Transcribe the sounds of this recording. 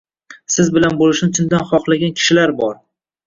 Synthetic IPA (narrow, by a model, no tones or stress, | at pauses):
sɪzbɪlanbolɪʃnɪt͡ʃ̪ʰʊnd̪anχɒχlˠaɡʲankʲʰɪ̥ʃɪlaɾbɒɾ